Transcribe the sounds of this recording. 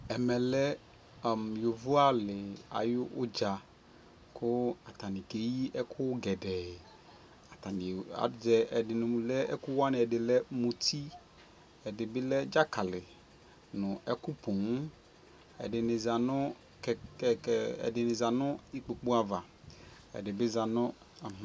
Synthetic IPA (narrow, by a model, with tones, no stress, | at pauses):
ɛ˨mɛ˨lɛ˦˨ | mjo˨vu˦a˦lɪ˨a̰˨jʊ˦wʊ˦d͡ʒa˨ | kʰʊ˦a˨t̪a˨nĩ˨ke˦ji˦ʔɛ˦kʰʊ˦wɡɛ˨ɖɛ˨ | a˨t̪a˨ni˨a̰˨d͡ʒɛ˦ɛ˨dɪ˨nũ˨lɛ˦ʔɛ˦ku˦wa˦nẽ˨ɛ˨ɖɪ˨lɛ˦mũ˨t̪i˦ | ɛ˨ɖɪ˨be˦lɛ˦d͡ʒa˦ka˨lɪ˨ | nʊ̃˨ɛ˦ku˦po˨ŋ˦ | ɛ̰˨ɖɪ˨ne˨za˨nɔ̃˦ | k | ɛ̰˨ɖɪ˨ne˨za˨nɔ̃˦i˦k͡po˨k͡pu˦a˨va˨ | ɛ̰˨ɖɪ˨be˦za˨nɔ̃˦˨